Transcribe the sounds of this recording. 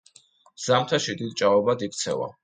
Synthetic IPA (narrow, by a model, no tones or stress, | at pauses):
z̥amt̪ʰaʃid̪id̪̚t͡ʃʼavɛbad̪ik̚ʰt̪sʰɛ̰va̰